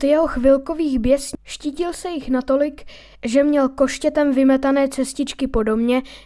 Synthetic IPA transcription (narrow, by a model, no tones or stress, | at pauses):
t̪jɛɦo̞xvɪlko̞viːxbjɛsʃciːcɪlsɛjɪxnat̪o̞lɪk | ʒɛmɲɛlko̞ʃcɛt̪ɛmvɪmɛt̪anɛːt͡sɛscɪt͡ʃkɪpo̞do̞mɲɛ